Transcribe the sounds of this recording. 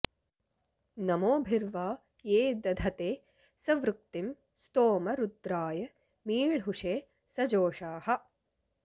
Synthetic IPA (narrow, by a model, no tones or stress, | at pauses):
nɐmoːbʱiɾʋaː | jeːd̪ɐd̪ʱɐt̪eː | sɐʋɾuk̚t̪im | st̪oːmɐɾud̪ɾaːjɐ | miːɭɦuʂeː | sɐd͡ʒoːʃaːhɐ̆